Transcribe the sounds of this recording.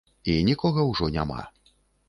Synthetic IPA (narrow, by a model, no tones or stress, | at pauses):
inʲikɔɣɐwʐɔnʲa̰ma̰